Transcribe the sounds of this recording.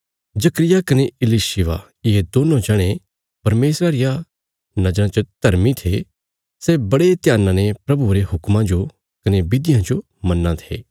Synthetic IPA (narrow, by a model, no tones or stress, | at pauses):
d͡ʒɐkɾɪjakɐneɪliʃɪʋa̰ | ɪɦed̪oːnõd͡ʒɛɽ̃e | pɐɾmeːsɾaɾɪja | nɐd͡ʒɾãt͡ʃəd̪̥ʱɐɾmit̪ʰe | sɛbɐɽet̪ɪjaːnãnepɾɐbuɾeɦʊkmãd͡ʒo | kɐnebɪd̪ɪjãd͡ʒo | mɐnːãt̪ʰḛː